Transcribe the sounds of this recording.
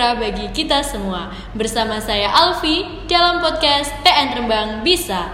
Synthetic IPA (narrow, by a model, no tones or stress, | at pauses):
abaɡikit̪asəmua | bərsamasajaʔalfi | dalampɔt̪̚kasp̪eɛnt̪ɾəmbaŋbisa